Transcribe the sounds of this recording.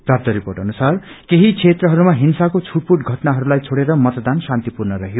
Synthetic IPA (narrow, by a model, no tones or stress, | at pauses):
prap̚t̪ʌɾiporʈʌnusar | keɦit͡sʰet̪rʌɦʌɾumaɦinsakot͡sʰuʈ̚puʈɡʱʌʈnaɦʌɾulajt͡sʰoɽeɾʌmʌt̪d̪ansant̪ipurnʌɾʌɦjo